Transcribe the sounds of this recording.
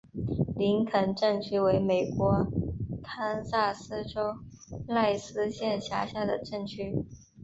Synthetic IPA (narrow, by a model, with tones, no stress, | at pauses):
li˧˥ŋkʰə˨˩nʈ͡ʂɤ˥˩ŋt͡ɕʰy˥we˧˥ɪme˨˩ɪkwɔ˧˥k̪ʰa˥nsa˥˩sɹ̩˥ʈ͡ʂo˥ʊla˥˧ɪsɹ̩˥ɕjɛ˥˩nɕja˧˥ɕja˥˩d̪ə˩ʈ͡ʂɤ˥˩ŋt͡ɕʰy˥